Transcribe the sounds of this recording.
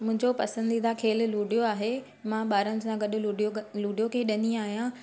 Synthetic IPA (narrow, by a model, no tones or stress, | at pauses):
mʊ̃ɦɪ̃ɲd͡ʑopɐsə̃nd̪id̪akʰeːl̆luːɖijoaːɦe | mãɓaːɾənɪ̆sãːɡɐɗʊ̆luɖjoluːɖijokʰeɗɐniaːɦijã